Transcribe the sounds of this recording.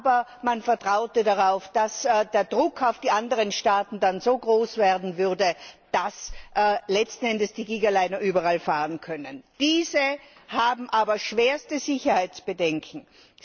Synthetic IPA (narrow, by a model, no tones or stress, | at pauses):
bɐmanfɛɐtʁ̥aʊtədaʁaʊfd̥asdeːɐdʁʊkʰaʊfd̥iːʔandəʁənʃtaːtn̩danzoːɡʁoːsv̥eːɐdn̩vʏʁdəd̥asʔlɛt͡stn̩ɛndəsd̥iːɡiːɡalaɪnɐʔyːbɐʁalfaːʁənkʰœnənd̥iːzəhaːbm̩ʔaːbɐʃv̥eːɐstəzɪçɐhaɪt͡sb̥ədɛŋkʰŋ̩